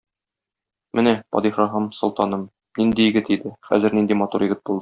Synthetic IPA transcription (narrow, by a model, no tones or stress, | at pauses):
mʔɘnæpɒ̰d̪iʃɑɦɑmsŏlˠt̪ɑnɤm | nind̪ijɘ̆ɡɘt̪id̪ɘχæ̰zɘ̆ɾnind̪imɒt̪uɾjɘ̆ɡɘt̪̚bulˠd̪ɤ